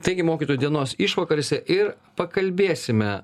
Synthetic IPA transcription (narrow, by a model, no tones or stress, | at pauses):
t̪ɐɪɡʲɪmoːkʲit̪oːjud̪ʲiɛnoːsɪʃʋɐkɐɾʲosʲɛʔɪɾ | pɐkɐlʲbʲeːsʲɪmʲɛ